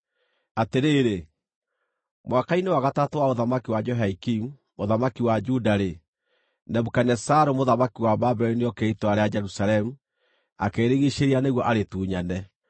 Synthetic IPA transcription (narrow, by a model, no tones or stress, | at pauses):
ateɾeːɾe | mwakainewaɣatatowaoðamakiwad͡ʒɔɦaikim | moðamakiwad͡ʒudaɾe | nɛmukanɛsaɾomoðamakiwababɛɾinejɔkeitoaɾead͡ʒɛɾusaɾɛmu | akeːɾeɣiʃeɾianeɣwɔʔaɾetuːɲanɛ